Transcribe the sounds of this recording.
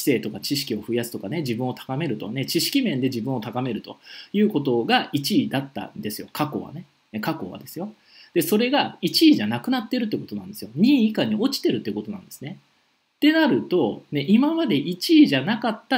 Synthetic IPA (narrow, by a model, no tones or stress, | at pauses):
i̥se̞ːt̪o̞kat͡ɕiɕi̥kʲio̞ɸɯ̟jasɨ̥t̪o̞kane̞d͡ʑibɯ̟̃ɰ̃o̞t̪ʰḁkame̞ɾɯ̟t̪o̞ne̞t͡ɕiɕi̥kʲimẽ̞nd̪e̞d͡ʑibɯ̟̃ɰ̃ot̪akame̞ɾɯ̟t̪o̞jɯ̟ːko̞t̪o̞ɡait͡ɕiːd̪at̪ːa̰nd̪e̞sɨjo̞̰kako̞̰βa̰ne̞ | kako̞βa̰d̪e̞sɨjo̞ | d̪̥e̞so̞ɾe̞ɡait͡ɕiːʑanakɯ̟nat̪ːe̞ɾɯ̟t̪̬ːei̟ko̞t̪o̞nãnd̪e̞sɨjo̞ɲ̟ĩːikaɲ̟io̞t͡ɕi̥t̪e̞ɾɯ̟t̪ːeiɯ̟ko̞t̪o̞nã̰nd̪̥e̞sɨ̥ne̞ | t̪e̞naɾɯ̟t̪o̞ne̞ʔimamad̪e̞ʔit͡ɕiːʑanakat̪ːa